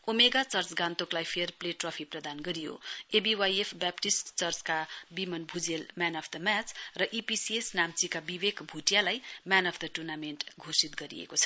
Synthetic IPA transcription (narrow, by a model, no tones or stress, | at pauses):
omeɡat͡sʌrt͡sɡãnt̪oklajpʰerpleʈrʌpʰiprʌd̪anɡʌɾijo̰ebiwajepʰbapʈisʈt͡sʌrt͡skabimʌnbʱud͡zelmanʌpʰd̪ʌmat͡srʌʔipisiesnamt͡sikabibekbʱuʈjalajmanʌpʰd̪ʌʈurnamenʈɡʱosit̪̚ɡʌɾḭḛkot͡sʰʌ̥